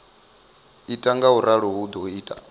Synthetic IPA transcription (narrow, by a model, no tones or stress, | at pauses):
itʼaŋɡauɾaɺɔɦud̪ɔiːtʼa̰